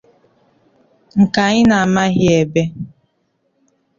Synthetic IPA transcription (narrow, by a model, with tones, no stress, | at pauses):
ŋ̩˨ka˨ɲɪ˦na˨a˨ma˦ɦɪ˦e˨be˦